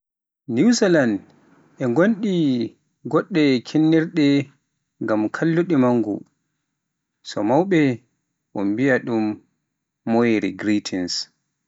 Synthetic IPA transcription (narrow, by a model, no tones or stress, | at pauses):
niwsɛland | ʔɛŋɡonɗi | ɡɔɗːɛkʰɛnːɛɾɗɛ | ŋɡamkʰalːuɗimaŋːɡṵ | sɔmawɓɛ | ʔɔmbijaɗumː | ɔjɾiɡɾitʰins